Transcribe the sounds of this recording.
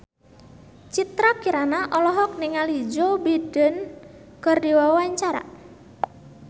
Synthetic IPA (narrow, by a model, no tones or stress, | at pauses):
t͡ʃit̪ɾakiɾanaʔɔlɔɦɔk̚niŋalid͡ʒobidənkərdiwawaɲt͡ʃaɾa̰